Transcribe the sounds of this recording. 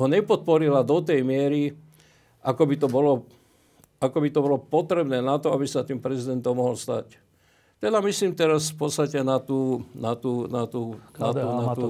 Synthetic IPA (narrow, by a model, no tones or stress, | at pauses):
ɦɔɲɛpɔt̪̚pɔɾilad̪ɔt̪ɛjmɪɛɾi | ʔakɔbit̪ɔbɔlɔ | akɔbit̪ɔbɔlɔpɔt̪ɾɛbnɛːnat̪ɔabisat̪iːmpɾɛzid̪ɛnt̪ɔmːɔɦɔlst̪a̰c | t̪ɛd̪amisliːmt̪ɛɾasfpɔt̪st̪acɛnat̪uːnat̪uːnat̪uːnat̪unat̪u